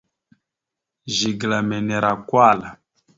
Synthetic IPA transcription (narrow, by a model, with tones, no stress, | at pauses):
ʒi˨ɡla˨mɛ˨nɛ˨ɾa˨kwa˦˨la˨